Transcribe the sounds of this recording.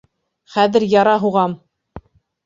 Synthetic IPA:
χæðɘ̆ɾjɑɾɑɦuʁɑm

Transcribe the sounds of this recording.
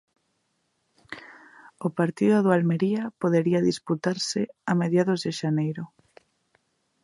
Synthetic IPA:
ʊpaɾt̪iðʊðoalmeɾiapoðeɾiaðisput̪aɾsɪameðjaðʊzðɪʃanejɾʊ

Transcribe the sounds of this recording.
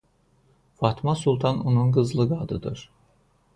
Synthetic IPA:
fat̪ʰmasulˠt̪ʰanonunɡɯzlˠɯɡad̪ɯd̪ɯɾ̥

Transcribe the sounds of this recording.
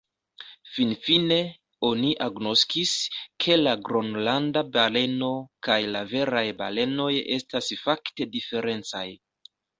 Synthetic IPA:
finfine̞ | o̞niʔaɡno̞skiskʰe̞laɡɾonlandabale̞no̞kajlave̞ɾajba̰le̞no̞je̞̰stasfakte̞dife̞ɾe̞nt͡sa̰j

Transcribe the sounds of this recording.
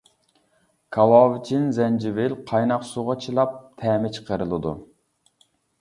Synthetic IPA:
kʰɑlɑːvɪt͡ʃʰinzɛnd͡ʒivɪlqʰɑjnɑqsuʁɑt͡ʃʰɨlˠɑp̚t̪ʰɛːmɪt͡ʃʰə̥qʰəɾɨlˠɨd̪ṵ

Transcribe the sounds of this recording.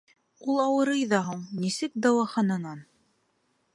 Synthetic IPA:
ulˠɑwɤ̆ɾɤjðɑɦuɴnisɘk̚d̪ɑwɑχɑnɑnɑn

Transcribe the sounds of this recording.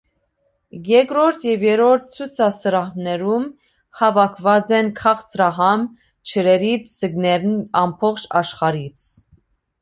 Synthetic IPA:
jɛkɾɔɾt̪ʰjɛvjɛɾɔɾt̪̚t͡sʰut͡sʰɑsəɾɑhmnɛɾum | hɑvɑkʰvɑt͡sɛnkʰɑχt͡sɾɑɦɑm | t͡ʃʰəɾɛɾit͡sʰsəɡnɛɾnɑmpʰɔχt͡ʃʰɑʃχɑɾit͡sʰ

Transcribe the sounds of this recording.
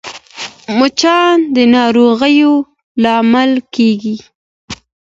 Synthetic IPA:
mʊt͡ʃɑnd̪ənɑɾoɣəjo | lɑmalkeɡi

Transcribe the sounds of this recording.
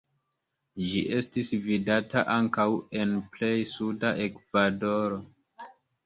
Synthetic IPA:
d͡ʒiʔe̞stisvidataʔaŋkawe̞nple̞jsudaʔe̞kvado̞ɾo̞

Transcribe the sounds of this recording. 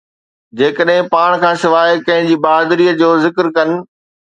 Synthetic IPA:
d͡ʑeːkəɗɦɪ̃paːɽ̃kʰãːsɪʋaːekɐ̃ɦɪ̃ɲd͡ʑiːbaːd̪ɾiːəd͡ʑoːzɪkɾkɐnɪ̆

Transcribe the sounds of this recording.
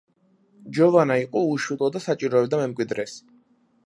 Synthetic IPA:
d͡ʒɔvanaiqʼɔuʃulˠɔd̪asat͡ʃʼiɾɔɛbd̪amɛmkʼwid̪ɾɛs

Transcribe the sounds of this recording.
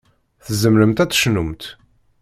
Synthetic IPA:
θəzəmɾəmt̪æt͡sːʃnumt̪

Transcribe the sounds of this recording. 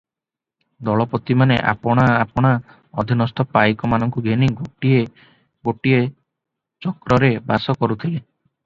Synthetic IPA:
d̪ɔɭɔpɔt̪imanḛʔa̰pɔɽ̃aːpɔɽ̃a | ɔd̪ʱinɔst̪ɔpajkɔmanɔŋkuɡʱeniɡoʈie | ɡoʈie | t͡ʃɔkɾɔɾebasɔkɔɾut̪ʰile

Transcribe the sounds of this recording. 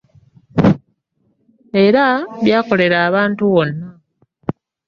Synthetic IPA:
e̞ɾaβjaːko̞le̞ɾaːβaːntuβo̞nːa

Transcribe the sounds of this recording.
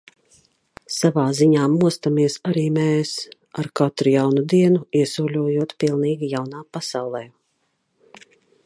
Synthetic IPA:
savaːziɲaːmuɔst̪amiɛsaɾiːmɛːs | aɾkat̪ɾujawnud̪iɛnuiɛsuːlʲuɔjuɔt̪pilˠniːɡʲijawnaːpasawlˠɛː

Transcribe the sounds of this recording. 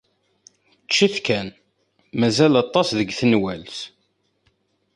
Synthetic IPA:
t͡ʃːiθkæn | mæzælɑt̪ˤːɑsðəɡθənwælθ

